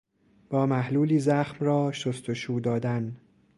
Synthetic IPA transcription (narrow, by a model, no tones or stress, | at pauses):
b̥ɒːmæhluːliːzæxmrɒːʃost̪ʰoʃuːd̪ɒːd̪æn